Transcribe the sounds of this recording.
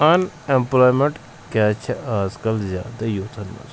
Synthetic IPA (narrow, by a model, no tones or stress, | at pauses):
ɐn | emploːjmeɳʈ | kjaːt͡ʃʰɐʔaːzkɐlzʲja̰ːd̪ɐjoːt̪ʰɐnːɐ̰s